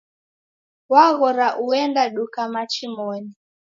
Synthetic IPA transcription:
waɣɔɾaʔuɛndaɗukamat͡ʃimɔni

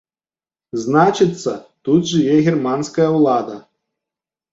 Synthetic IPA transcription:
znat͡ʃɨt̪sːɐt̪ut̪ʐɨjɛɣʲirmanskɐjɐwlˠad̪ɐ

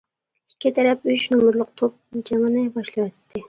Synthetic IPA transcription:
ikʲʰːɪt̪ʰɛɾɛpyt͡ʃnumʊɾlˠʊqt̪ʰop̚d͡ʒʰɛŋənɪbɑʃlˠɑwɛt̪ʰːɪ

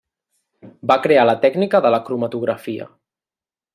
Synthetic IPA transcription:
bakɾealət̪ɛɡnikəðələkɾumət̪uɣɾəfiə̰

